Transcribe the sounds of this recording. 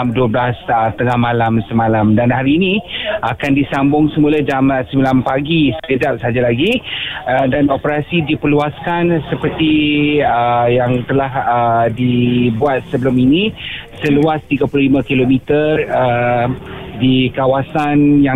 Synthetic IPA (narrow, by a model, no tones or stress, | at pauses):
mduəblasət̪əŋahmalamsəmalamdanhaɾiːniakandisambʊŋsəmulad͡ʒamsəmbilanpaɡisəɡədap̚səaɦad͡ʒalaɡi | danopəɾasidipərluaskansəpərt̪iəjaŋt̪əlahədibuat̪̚səbəlʊminĩsəluast̪iɡapululimãkilomit̪ərə | dikawasanja